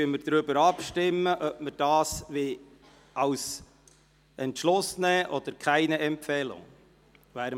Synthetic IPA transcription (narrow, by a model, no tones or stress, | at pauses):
yəməɾd̥̪ɾʏbəɾɑpʃtɪmːəʔœp̚məɾd̥ɑːsʋɪ | ʔɑws | ɛntʃlʊsnɛːʔɔd̥̪əɾkʰæɪnəɛmpfɛːlʊ̰ŋ | væːɾ